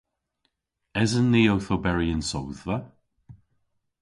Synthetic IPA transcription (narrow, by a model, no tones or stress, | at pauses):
ɪzənðiowθobɛɹiənsowðvə